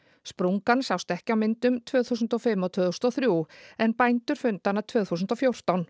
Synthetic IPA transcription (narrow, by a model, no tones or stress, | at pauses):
spɾuŋkansjawst̪ɛhcɪawmɪnt̪ʏmt̪ʰvœːθuːsʏnt̪ɔfɪmːaɔwt̪ʰv̥œːθusnɔθɾjuɛnpajnt̪ʏɾ̥fʏnt̪anːat̪ʰv̥œːθuːsʏnt̪ɔwfjowr̥t̪awn